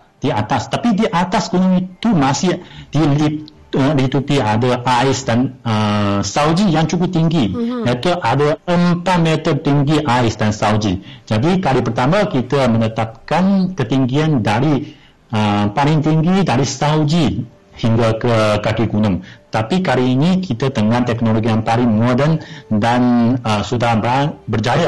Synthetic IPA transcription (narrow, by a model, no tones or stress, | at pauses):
d̥iat̪ast̪apidiʔat̪asɡunə̃mit̪umãsɪhd̥ili | əlit̪upiadaʔaɪsdanəsawd͡ʒijaŋt͡ʃukʊp̚t̪iŋɡijat̪uʔadaəmpat̪̚mɛt̪ər̚t̪iŋɡiʔaɪsdansawd͡ʒid͡ʒadikalipərt̪amãkit̪amə̃nət̪ap̚kankət̪iŋɡiandaɾi | əpalɪŋt̪iŋɡidaɾisawd͡ʒi | hiŋɡakəkakiɡunəmət̪apikaliːnikit̪at̪əŋãnt̪ɛknoloɡijaŋpaɾiŋmodəndanəsudahbatbərd͡ʒaja